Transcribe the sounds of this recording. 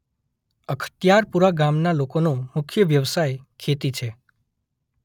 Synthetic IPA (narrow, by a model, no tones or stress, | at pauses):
əkʰə̥t̪jaɾpuɾaɡamnalokonomʊkʰjəʋjəʋsajkʰet̪it͡ʃʰe